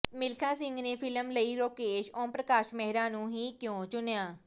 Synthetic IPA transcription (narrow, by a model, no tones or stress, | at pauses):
mɪlkʰãːsɪ̃ŋɡneːpʰɪləmləiːɾoːkeːʃɔ̃ːmpɾəkaːʃmɛɦɾãːnũːɦiːkjõːt͡ʃʊnjaː